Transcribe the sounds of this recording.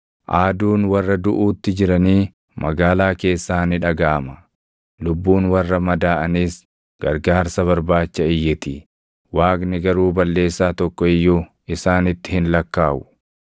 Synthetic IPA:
ʔaːd̪uːnwɐrːɐd̪ʊʔuːt̪ːɪd͡ʒɪɾɐniː | mɐɡaːlaːke̞ːsːaːnɪᶑɐɡaːmɐ̥ | lʊbːuːnwɐrːɐmɐd̪aːʔɐniːs | ɡ̥ɐ̰ɾɡaːɾsɐβɐɾbaːt͡ʃːɐɪjːɪt̪ɪ | waːknɪɡɐɾuːbɐlːe̞ːsːaːt̪ɔkːɔɪjːʊ | ɪsaːnɪt̪ːɪ̥hɪnlɐkːaːʔʊ̥

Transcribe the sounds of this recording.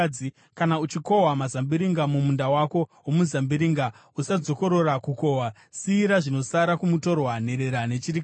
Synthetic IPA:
i | kanaut͡ʃiko̞wamazambiɾiŋɡamumundawako̞ɦwomuzambiɾiŋɡa | usad͡zo̞ko̞ɾo̞rakuko̞wa | siːɾaʐino̞saɾakumuto̞rwane̞ɾe̞ɾane̞t͡ʃiɾikː

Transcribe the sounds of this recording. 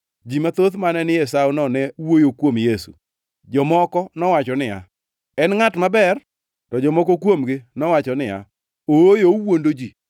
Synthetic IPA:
d͡ʒimat̪otmanɛnɪjɛsawnɔnɛwojokwomjesṵ | d͡ʒɔmɔkɔnɔwat͡ʃɔnɪa̰ | ɛnŋatmabɛr | tɔd͡ʒɔmɔkokwomɡɪnɔwat͡ʃɔnɪa̰ | oojowondod͡ʒi

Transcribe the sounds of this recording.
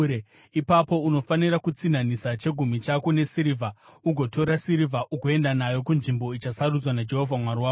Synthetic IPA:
e | ipapo̞uno̞fanirakut͡sinanisat͡ʃe̞ɡʱumit͡ʃakune̞siɾivʱauɡʱo̞tʰo̞ɾasiɾivʱaʔuɡoe̞ndanajo̞kunʐimbo̞it͡ʃasarud͡zwanad͡ʒe̞ɦo̞vʱamwaɾiwaː

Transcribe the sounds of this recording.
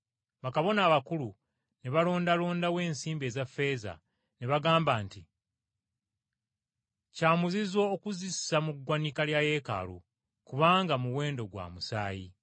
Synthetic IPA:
βakaβo̞naːβakulu | neβalo̞ːndalo̞ːndawe̞ːnsiːmbe̞ːzafːe̞za̰ | neβaɡaːmbaːnti | caːmuzizo̞ːkuzissamuɡwanikaljaje̞ːka̰lṵ | kuβaːŋɡamuwe̞ːndo̞ɡwa̰musaːjḭ

